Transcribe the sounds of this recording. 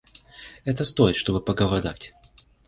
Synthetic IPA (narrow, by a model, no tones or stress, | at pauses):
ɛt̪əst̪o̞jɪt̪ʂt̪o̞bɨpəɡəvɐd̪a̰tʲ